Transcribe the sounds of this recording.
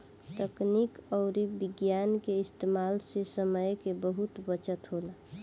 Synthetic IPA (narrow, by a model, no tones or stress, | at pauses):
t̪əknikɔʊɾibɪɡjankeɪst̪emaːlsesəməjkebəɦut̪bət͡ʃət̪ɦola